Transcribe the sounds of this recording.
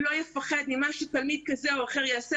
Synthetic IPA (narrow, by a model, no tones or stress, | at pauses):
lo̞jefaχed̪mimaʃutalmid̪̚kazeoaχeʁjaːse